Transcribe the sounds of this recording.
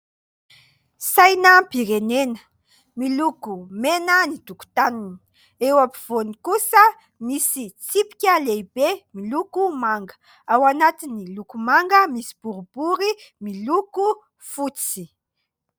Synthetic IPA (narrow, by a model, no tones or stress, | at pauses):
sajnəbiɾenenə | milukumenənid̪uku̥t̪anini̥ | ewapiv̥onikusə | misit͡sipi̥kʲəlejbemilukumaŋɡə | awanat̪inilukumaŋɡəmisi̥b̥uɾub̥uɾimiluku | fut͡si̥